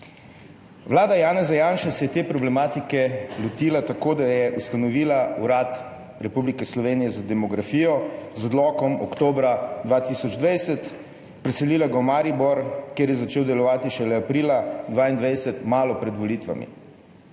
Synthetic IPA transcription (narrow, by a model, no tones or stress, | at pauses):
ʋlaːd̪ajaːnɛzajaːnʃɛsɛjɛt̪eːpɾɔblɛmaːt̪ikɛlɔt̪ilat̪akoːd̪ajɛʔust̪anɔʋiːlauɾat̪ | ɾɛpublikɛslɔʋeːnijɛzad̪ɛmɔɡɾafiːjɔzɔd̪lɔkɔmɔ̰kt̪oːbɾad̪ʋaːt̪isɔd͡ʒd̪ʋajsɛt̪ | pɾɛsɛliːlaɡaɔmaːɾibɔɾkjeːɾjɛzat͡ʃeːwd̪ɛlɔʋaːt̪iʃɛlɛapɾiːlad̪ʋaːind̪ʋajsɛt̪maːlɔpɾɛd̪ʋɔliːt̪ʋa̰mḭ